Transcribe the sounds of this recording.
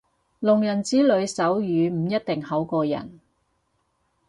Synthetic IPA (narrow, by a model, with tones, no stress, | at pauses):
lʊ˨˩ŋjɐ˨˩nt͡siː˨˥lɵ˨˧ɥsɐ˨˥wjyː˨˧m̩˨˩jɐ˥t̚t̪ɪ˨ŋhɐ˨˥wkɔː˧jɐ̰˨˩n